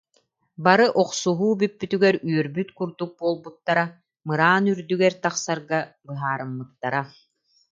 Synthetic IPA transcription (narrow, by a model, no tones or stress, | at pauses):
baɾɯʔɔqsuɦuːbypːyt̪yɡɛɾyœɾbyt̪kuɾd̪uk̚buɔlˠbut̪ːaɾa | mɯɾaːnyɾd̪yɡɛɾt̪aχsaɾɡabɯɦaːɾɯmːɯt̪ːaɾa